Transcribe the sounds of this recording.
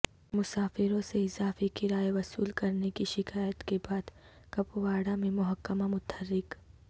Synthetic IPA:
mʊsaːfɪɾõseɪzaːfikiɾaːjeʋɐsuːlkɐɾnekiʃɪkaːjət̪kebaːd̪ | kɐpwaːɽamẽmʊɦəkːəmamʊt̪əɾːɪk

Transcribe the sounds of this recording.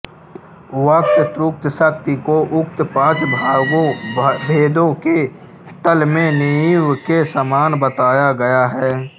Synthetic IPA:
wak̚t̪t̪ɾʊk̚t̪sək̚t̪ikoʔʊk̚t̪pãːt͡ʃbʱaːɡõbʱeːd̪õke | st̪əlmẽniʋkesəmaːnbət̪aːjaɡɐjaɦɛː

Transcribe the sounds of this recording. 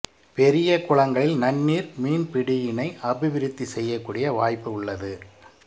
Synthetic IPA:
pɛɾɪjɐkʊɭɐŋɡɐɭɪlnɐnːiːɾmiːnpɪɽɪjɪnɐɪʔɐbɪʋɪɾɯt̪ːisɛjːɐkːuːɽɪjɐʋaːjpːɯʊɭːɐðɯ

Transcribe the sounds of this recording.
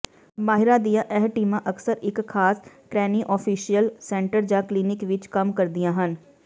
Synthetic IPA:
baːɦɪɾaːd̪ijãːʔɛɦʈiːmãːʔəksəɾɪkkʰːaːs | kɾɛːniːʔɔːpʰiːʃijəlsɛ̃ːɳʈəɾd͡ʒãːkliːnɪkʋɪt͡ʃkəmkəɾd̪ɪjãːɦən

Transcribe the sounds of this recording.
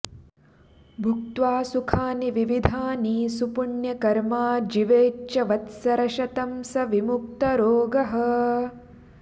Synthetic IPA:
bʱuk̚t̪ʋaːsukʰaːniʋiʋid̪ʱaːniːsupuɳjɐkɐɾmaːd͡ʒiʋeːt͡ʃɐʋɐt̪sɐɾɐʃɐt̪ɐmsɐʋimuk̚t̪ɐɾoːɡɐɦɐ̆

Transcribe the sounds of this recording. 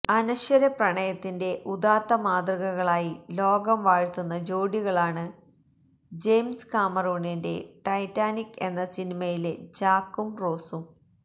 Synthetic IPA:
ɐnɐɕɐɾɐprɐɳɐjɐt̪ːinde̞ʔud̪aːt̪ːɐmaːd̪rɨɣɐɣɐɭaːjilo̞ːɡɐmʋaːɻt̪ːunːɐd͡ʑo̞ːɖiɣɐɭaːɳɨ | d͡ʑejmskaːmɐruːɳinde̞̰ʈɐjtːaːnikːe̞nːɐsinimɐjiled͡ʑaːkːumro̞ːsum

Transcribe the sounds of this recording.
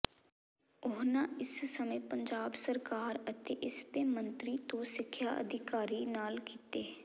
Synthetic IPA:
ʊɦnãːɪssəmẽːpəɲd͡ʒaːbsəɾkaːɾət̪eːʔɪsd̪eːmənt̪ɾiːt̪õːsɪkʰːjaːʔə̰d̪ʱɪkaːɾiːnaːlkiːt̪eː

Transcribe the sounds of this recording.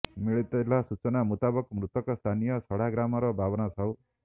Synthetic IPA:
miɭit̪lasut͡ʃɔnamut̪abɔkmɾut̪ɔkɔst̪ʰanijɔsɔɽ̤aɡɾamɔɾɔbʱabnasɔw

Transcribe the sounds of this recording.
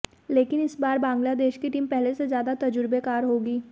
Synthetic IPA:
leːkɪnɪsbaːɾbãːŋɡlad̪eːʃkiʈiːmpɛɦlesezjaːd̪at̪ɐd͡ʒʊɾbekaːɾɦoːɡiː

